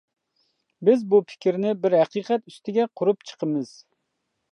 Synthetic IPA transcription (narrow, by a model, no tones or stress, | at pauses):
bɪzbupʰɪ̥kʲɾnɪbɪɾɦɛqiːqʰɛt̪yst̪ʰɪɡʲɛqʰʊɾupt͡ʃʰə̥qʰəmɨz̥